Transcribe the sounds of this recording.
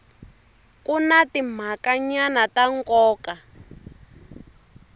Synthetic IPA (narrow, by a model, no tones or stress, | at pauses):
kunatim̤akaɲanataŋkɔːka